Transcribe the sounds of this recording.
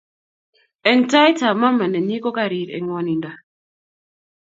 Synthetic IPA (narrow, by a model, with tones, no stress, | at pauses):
ɛ˨nta˦jta˨ma˦mːa˨nɛ˨ni˦kɔ˦ka˦ɾi˨ɾɛ̰˨ŋwo˦ni˨nda˨